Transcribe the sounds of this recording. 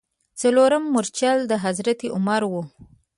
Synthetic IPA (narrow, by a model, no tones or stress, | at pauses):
t͡saloɾamːʊɾt͡ʃjɑld̪əɦazɾat̪iʔʊmaɾwu